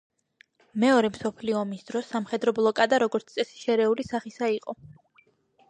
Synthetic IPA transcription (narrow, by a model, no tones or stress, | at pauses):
mɛɔɾɛmsɔpʰliɔːmisd̪ɾɔsːamχɛd̪ɾɔblˠɔkʼad̪aɾɔɡɔɾt̪t̪sʼɛsi̥ʃɛɾɛulisaχisaiqʼɔ